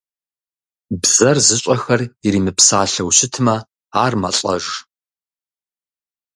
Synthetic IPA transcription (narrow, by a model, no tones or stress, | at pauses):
bzɐrzɨɕʷʼɐxɐriɾiːmɨpsaːɬɐwɕɪtʰɨmɐ | aːrmɐɬʼɐ̰ʒ